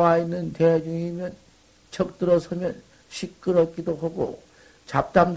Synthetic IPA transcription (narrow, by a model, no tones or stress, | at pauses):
ainːɯntead͡ʑuŋimjʌn | t͡ɕʰʌk̚t͈ɯɾʌsʰʌmjʌn | ɕʰik̚k͈ɯɾʌk͈idoɦaɡo̰ | t͡ɕap̚t͈amd